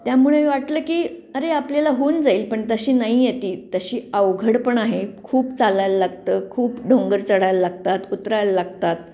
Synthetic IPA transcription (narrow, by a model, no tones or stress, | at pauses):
t̪jamuɭeʋaʈləːkiːəɾeapljalaɦond͡zaiːlpəɳt̪əɕiːnaɦijet̪iːt̪əɕiːəʋɡʱəɽpəɳaɦekʰuːpt͡salajləlaɡt̪əːkʰuːpɖʱoŋɡəɾt͡səɽ̤ajaləlaɡ̚t̪at̪ut̪ɾajaləlaɡt̪at̪̚